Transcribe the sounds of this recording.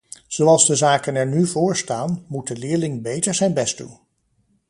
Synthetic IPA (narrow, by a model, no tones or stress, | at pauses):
z̥owɑlˠzdəzaːkənɛɹnyvʊːɹstaːnmut̚dəlɪːɹlɪŋbejtəɹzɛjnbɛstṵ